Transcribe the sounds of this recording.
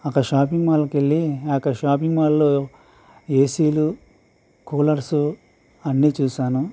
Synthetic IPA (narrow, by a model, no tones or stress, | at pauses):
ɐkɐʃaːpiŋmaːlɐkeɭːiɐkɐʃaːp̬iŋmaːlːoː | eːsiːlu | koːlɐɾsu | ɐnːiːt͡ʃuːʃaːnu